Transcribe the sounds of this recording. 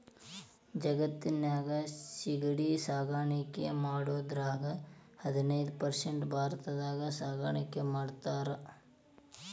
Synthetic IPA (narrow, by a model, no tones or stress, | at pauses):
d͡ʒɐɡɐt̪ːinjaːɡɐsiɡɐɽisaːɡaːɳikːemaːɽuʋɐd̪ɾaːɡɐhɐd̪inɐjd̪upɐɾseɳʈbʱaːɾɐt̪ɐd̪aːɡɐsaːɡaːɳɐkːemaːɖt̪aːɾɐ